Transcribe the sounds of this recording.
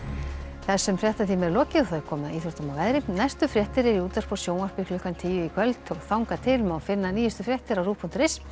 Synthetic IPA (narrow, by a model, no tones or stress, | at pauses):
θɛ̥sɛmfrjɛht̪aθʰiːmɛɾlɔːcɪθœɾkʰɔːmʏaiːθɔɾt̪ɔmawvɛðɾɪnɛst̪ʏfɾjɛht̪ɪɾɛɾiuːt̪aspɔ̥sjoːwnar̥pɪklʏhkant̪ʰiːjɪikʰvœlt̪ɔɣθawŋkat̪ʰɪlmɛawfɪnːaniːjʏst̪ʏfɾjɛht̪ɪɾawruːpʰun̥t̪ɾɪs